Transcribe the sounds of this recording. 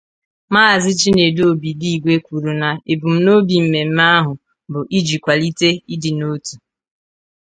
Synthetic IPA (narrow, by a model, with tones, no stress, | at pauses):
maː˦˨zɪ˦t͡ʃi˦ne˨do˨bi˨di˦i˨ɡʷe˦kʷu˨ɾu˨na˨e˨bu˨m̩˦no˦bi˨m̩˨me˨m̩˦ma˦ɦʊ˨ | bʊ˨ʔi˦d͡ʒi˨kʷa˨li˦te˦i˦dɪ˨no˦tu̥˨